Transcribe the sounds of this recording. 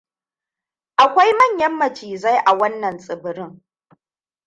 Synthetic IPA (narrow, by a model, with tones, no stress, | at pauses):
ʔa˨kʷa˦jmɐ˦˨ɲjɐ˦mːɐ˨t͡ʃiː˨za˦jʔa˨wɐ˦nːɐ˨nsʼɪ˨bɪ˨ɾɪ˦ŋ